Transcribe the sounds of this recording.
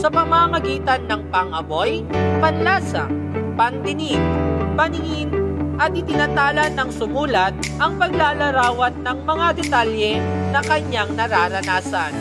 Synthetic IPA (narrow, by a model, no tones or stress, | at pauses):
sɐpɐmaːmɐɡiːt̪ɐnːɐŋpɐŋʔɐbo̞jpɐnlaːsɐ̰ | pɐnt̪ɪniɡpɐnɪŋinʔɐt̪ʔɪt̪ɪnɐt̪aːlɐnːɐŋsʊmuːlɐt̪̚ʔɐŋpɐɡlaːlɐɾaːwɐt̪̚nɐŋmɐŋad̪ɛt̪aljɛnɐkɐɲaŋnɐɾaːɾɐnaːsan